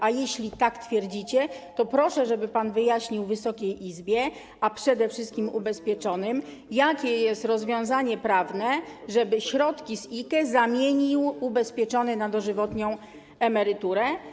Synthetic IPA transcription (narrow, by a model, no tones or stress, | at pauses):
ʔajeɕlʲit̪akt̪fʲjɛɾd͡ʑit͡ɕɛt̪ɔpɾɔʂɛʐɛbɘpanvɘjaɕɲiwvɘsɔkʲejʔizbʲjɛ | apʂɛd̪ɛfʂɘst̪kʲimubɛspʲjɛt͡ʂɔnɘm | jakʲɛjɛst̪ɾɔzvʲjɔ̃w̃zaɲɛpɾavnɛʐɛbɘɕɾɔt̪kʲisikɛzamʲjeɲiwubɛspʲjɛt͡ʂɔnɘnad̪ɔʐɘvɔt̪ɲɔ̃w̃ | ɛmɛɾɘt̪uɾɛ